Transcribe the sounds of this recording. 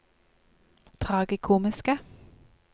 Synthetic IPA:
t̪ʰʁɑːɡəkʰuːmɪskə

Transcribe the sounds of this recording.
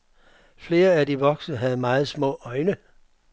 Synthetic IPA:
fle̝ːɐæd̥iʋɒ̽ɡ̥səɦæð̞̩ˠmɑ̈ːð̞̩ˠsmɔ̰̽ːɒ̽ɪnə

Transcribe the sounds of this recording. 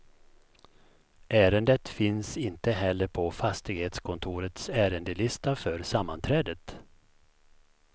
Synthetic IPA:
ʔæːɾənd̪ət̪fɪnsɪnt̪əɦɛlːəɾpʰɔfast̪ɪɡheːt̪skʰɔnt̪ʰuːɾət̪sæːɾənd̪əlɪst̪afœɾsamːant̪ʰɾɛːd̪ət̪

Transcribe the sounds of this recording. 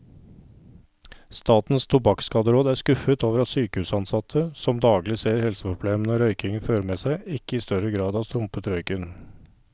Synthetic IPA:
st̪ɑːt̪n̩st̪ʰʊbɑkskɑːd̪əɾoːd̪æːskʉfət̪oːʋəɾɑt̪syːkəhʉːsɑnsɑt̪ʰəsɔmd̪ɑːɡlɪseːɾhɛlsəpʰɾʊbleːmnəɾœʏkɪŋənføːɾəmeːsæɪɪkːəɪːst̪œɾəɡɾɑːd̪ɑːʋst̪ɾʊmpət̪ɾœʏkɪn

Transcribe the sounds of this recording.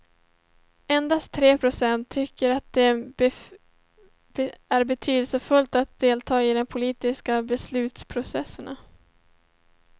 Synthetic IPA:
ɛnd̪ast̪t̪ʰːɾeːpʰɾʊsɛnt̪ʰːʏkːəɾat̪̚d̪ɛ | æɾbɛt̪ʰyːd̪əlsəfɵlt̪at̪̚d̪̥eːlt̪ʰɑːɪd̪ɛmpʰʊliːt̪ɪskabɛslʉ̟ːt̪spʰɾʊsɛsːəna

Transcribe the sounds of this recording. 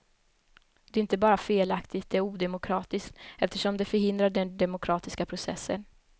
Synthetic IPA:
d̪̥ɛɾɪnt̪əbɑːɾafeːlakt̪ɪɡt̪̚d̪ɛæɾuːd̪ɛmʊkʰɾɑːt̪ɪskt̪ɛft̪əʂɔmd̪ɛfœɾɦɪnd̪ɾaɖɛnd̪ɛmʊkʰɾɑːt̪ɪskapʰɾʊsɛ̰sːə̰n

